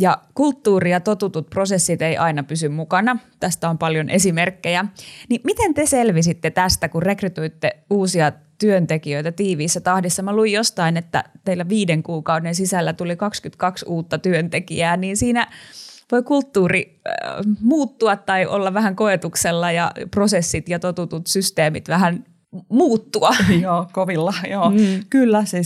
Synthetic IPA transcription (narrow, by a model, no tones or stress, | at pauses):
jɑkult̪ːuːriɑt̪ot̪ut̪ut̪̚prosesːit̪eiʔɑinɑpysymmukɑnɑt̪æst̪æompɑljonʔesimerkːejænimit̪ent̪eselʋisit̪ːet̪æst̪ækurekryt̪uit̪ːeuːsiɑ | t̪yønt̪ekiøit̪æt̪iːʋiːsːæt̪ɑhdisːɑmɑluijjost̪ɑinet̪ːæ̰t̪eilːæʋiːdeŋkuːkɑudensisælːæt̪ulikɑkskyt̪kɑksuːt̪ːɑt̪yønt̪ekḭæːniːnsiːnæʋoikult̪ːuːri | muːt̪ːuɑt̪t̪ɑiʔo̰lːɑʋæhæŋkoet̪ukselːɑjɑ̰prosesːit̪jɑt̪ot̪ut̪ut̪syst̪eːmit̪ʋæhæn | muːt̪ːuɑjoːkoʋilːɑjoːkylːæsi